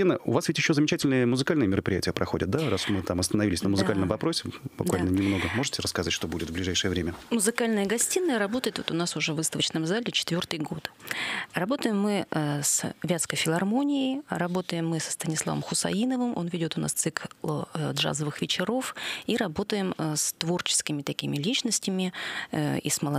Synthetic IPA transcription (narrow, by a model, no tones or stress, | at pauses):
inəʊ̰vasvʲɪtʲjɪɕːozəmʲɪt͡ɕætʲɪlʲnɨjəmʊzɨkalʲnɨjəmʲɪɾəpɾʲɪjæ̰tʲɪjəpɾɐxo̞dʲɪt̪̚d̪arasmɨt̪amɐst̪ənɐvilʲɪsʲnəmʊzɨkalʲnəmvɐpɾo̞sʲɪbʊ̰kvalʲnənʲɪmno̞ɡəmo̞ʐɨtʲɪɾəskɐzatʲʂt̪obudʲɪt̪vblʲɪʐajʂɨjəvɾʲemʲəmʊzɨkalʲnɨjəɡɐsʲtʲinːɨɾɐbo̞t̪əjɪt̪vot̪ʊnasʊʐɛvːɨst̪əvət͡ɕnəmzalʲɪt͡ɕɪ̥t̪vʲo̞rt̪ɨjɡo̞t̪rɐbo̞t̪əjɪmːɨsvʲat̪skəjfʲɪlˠɐrmo̞nʲɪɪrɐbo̞t̪əjɪmːɨsə̥st̪ənʲɪslˠa̰və̰mxʊsɐ̰inəvɨmʔo̞̰nvʲɪdʲo̞t̪ʊna̰st̪sɨklˠdʐa̰zəvɨxvʲɪt͡ɕɪɾo̞fiɾɐbo̞t̪əjɪmst̪vo̞rt͡ɕɪ̥skʲɪmʲɪt̪ɐkʲimʲɪlʲit͡ɕnəsʲtʲɪmʲɪ | ḭsməlˠɐ